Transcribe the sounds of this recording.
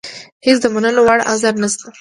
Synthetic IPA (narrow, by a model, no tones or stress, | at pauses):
hesd̪əmanəlowaɽʔa̰zaɾnəst̪a